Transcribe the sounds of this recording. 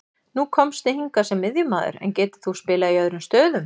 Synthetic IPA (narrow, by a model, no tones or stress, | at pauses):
nukʰɔmst̪ɪhiŋkasɛmːɪðjʏmaːðʏ̰ɾɛ̰ncɛːt̪ɪ̥θuspɪːlaiœðɾʏmst̪œːðʏm